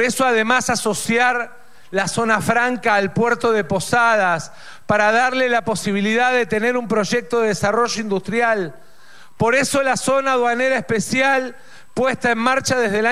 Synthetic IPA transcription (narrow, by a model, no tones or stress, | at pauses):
ɾesoaðemasaso̞sjaɾ | laso̞nafɾaŋkaːlpweɾt̪o̞ðepo̞sað̞as | paɾaðaɾlelapo̞siβ̞iliðaððet̪e̞ne̞ɾumpɾo̞ʒek̚t̪o̞ðeðesaro̞ʒo̞ind̪ust̪ɾjal | po̞ɾeso̞laso̞naðwaneɾaehspesjal | pwest̪aenmaɾt͡ʃaðezðela